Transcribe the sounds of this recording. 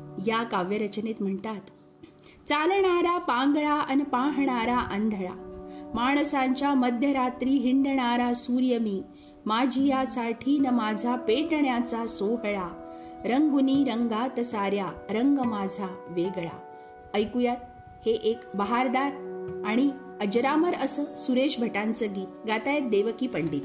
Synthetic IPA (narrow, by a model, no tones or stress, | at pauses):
jakaʋjəɾət͡ɕnet̪m̤əɳt̪at̪ | t͡salɳaɾapãŋɡɭaənpãɦɳaɾaʔənd̪ʱɭa̰maɳ̃sãɲt͡ɕjaməd̪ʱjəɾat̪ɾiːɦiɳɖɳ̃aɾasuːɾjəmiː | mad͡ʑʱijasaʈʰiːnəmad͡zʱapeʈɳjat͡sasoɦɭa | ɾəŋɡuniːɾəŋɡat̪əsaɾjaɾəŋɡmad͡zʱaʋeɡɭa̰ | əjkujat̪̚ | heʔekbəɦaɾd̪aɾaɽ̃i | əd͡ʑɾaməɾəsəsuɾeɕbʱəʈãnt͡səɡiːt̪ɡat̪ajek̪̚d̪eʋkiːpəɳɖiːt̪